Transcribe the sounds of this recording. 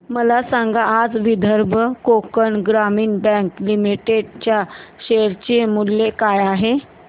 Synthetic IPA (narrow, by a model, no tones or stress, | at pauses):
məlasaŋɡaʔːd͡zʋid̪ʱəɾbʱəkokəɳɡɾamiːnbɛ̃ŋklimiʈeɖt͡ɕjaɕeɾt͡ɕemulːjekajaɦe